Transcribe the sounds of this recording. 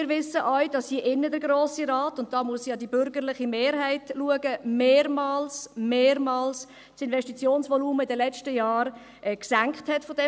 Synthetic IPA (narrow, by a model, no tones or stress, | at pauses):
ɪːɾʋɪsəʔɔʏd̥ɑshiəʔɪnːədəɾɡɾoːsiɾɑːtʊnt̚d̥ɑːmuəsiɑdibʏɾɡəɾlɪχimeːɾɦæɪtluəɡəmeːɾmɑːlsmeːɾmɑːls | sɪnvɛʃtit͡sjoːnsʋɔluːməɪdəlɛt͡ʃtəjaːɾ | ʔɛksæŋkχthɛtfɔdɛ